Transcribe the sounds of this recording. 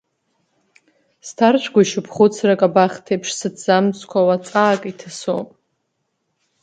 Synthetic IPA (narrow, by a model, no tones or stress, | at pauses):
stʰart͡ʃʷʰɡʷaiʃɨpʰχʊt͡sʰrakʼabaχʲtʰepʰʂsɨdz̥amskʷʰawat͡sʼaːkʼitʰaso̰pʼ